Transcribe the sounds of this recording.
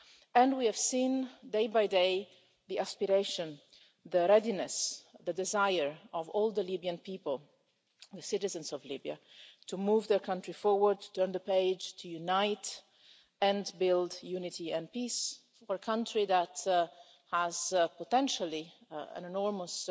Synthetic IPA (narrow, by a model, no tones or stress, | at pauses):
ɛ̃ndwiæv̥sĩːndeɪbajdeɪ | ðiæspiɹeɪʃə̃n | ðəɹɛdinɛsðədɪzajəɹɔvɔːlˠðəlibiə̃npiːpəlˠ | ðəsɪɾɨzə̃nzɔvlibia̰ | tʰumuːvðəɹkʰʌ̃ntɹifɔɹwəɹd̚tu̥tɜɹnðəpeɪd͡ʒtʰujunaɪt | ɛ̃nbɪlˠdjunɪtiɛ̃npis | əɹkʰʌ̃ntɹiðæt | hæzpɔt̪ɛ̃nʃəliə̰̃nɛnɔɹməs